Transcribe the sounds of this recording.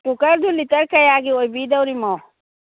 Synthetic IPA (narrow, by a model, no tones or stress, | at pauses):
kukɐɾd̪ulit̪ɐɾkɐjaːɡiojbiːd̪ɐwɾimoː